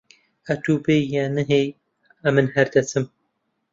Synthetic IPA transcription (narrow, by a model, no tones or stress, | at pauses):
ɐt̪uːbejːanɨɦej | ɐmɨnhɐɾd̪ɐt͡sɨm